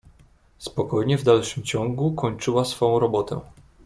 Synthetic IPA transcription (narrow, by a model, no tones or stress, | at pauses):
spɔkɔjɲɛvd̪alʂɘmt͡ɕɔŋɡukɔɲt͡ʂɘwasfɔ̃ɾɔbɔt̪ɛ̰